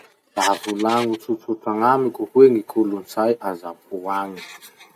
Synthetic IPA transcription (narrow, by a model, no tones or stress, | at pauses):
laɦavulaŋut͡sut͡suʈ͡ʂaŋamikʲuhueŋikʰulunt͡sajʔazapuaɲi̥